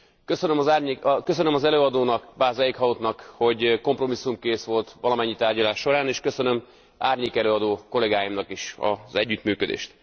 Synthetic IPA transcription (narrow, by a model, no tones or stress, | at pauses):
køsønømɒzarkøsønømɒzɛløːɒd̪oːnɒkbaːzɛjikhɒot̪nɒkho̞ɟko̞mpro̞misːumkeːsʋo̞lt̪ʋɒlɒmɛɲːit̪aːrɟɒlaːʃːo̞ɾaːneːʃkøsø̞nø̞m | aːrɲeːkɛløːɒd̪oːko̞lɛɡaːjimnɒkiʃɒ̰zɛɟːyt̪myːkød̪ḛːʃt̪